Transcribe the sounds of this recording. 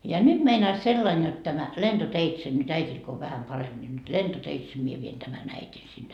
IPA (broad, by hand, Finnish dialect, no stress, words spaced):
jɑ nyd̥ meinɑis selːɑin jot tæmæ lend̥oteitse nyt æitʲil ko o ʋæhæm pɑremb̥ nʲi nyt lentoteitse mie ʋien tæmæn æitʲin sinːe